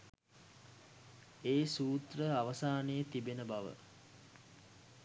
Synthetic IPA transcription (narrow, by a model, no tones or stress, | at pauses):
eːsuːt̪rəaʋəsaːnəjət̪ibenəbaʋə̰